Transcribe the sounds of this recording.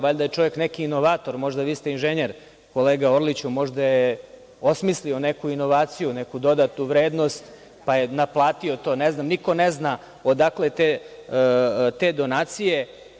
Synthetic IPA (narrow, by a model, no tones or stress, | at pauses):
ʋaʎʲd̪ajet͡ʃo̞ʋjeknekiːno̞ʋaːt̪o̞ɾmo̞ʒd̪aʋiːst̪einʒeɲeɾ | ko̞leːɡaoɾlit͡ɕumo̞ʒd̪aje | osmislio̞ne̞kuino̞ʋaːt̪sijunekud̪o̞d̪at̪nuʋɾe̞ːd̪no̞st̪ | pajenaplˠaːt̪iot̪o̞ːneznamniko̞nezna | od̪aklet̪e | t̪eːd̪o̞naːt̪sije̞